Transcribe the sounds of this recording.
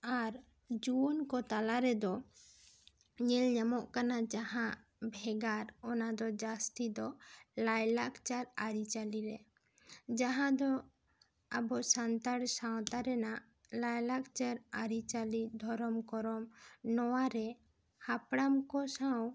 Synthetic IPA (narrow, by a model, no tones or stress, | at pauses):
aɾ | d͡ʒuwɔnkɔt̪alaɾɛd̪ɔ | ɲɛlɲamɔʔkanad͡ʒahãʔ | bʱɛɡaɾɔnad̪ɔd͡ʒast̪id̪ɔlajlakt͡ʃaɾaɾit͡ʃaliɾɛ | d͡ʒaɦãd̪ɔ | abɔsant̪aɽsawt̪aɾɛnaʔ | lajlakt͡ʃaɾaɾit͡ʃalid̪ʱɔɾɔmkɔɾɔmnɔwaɾɛ | hapɽamkɔsaw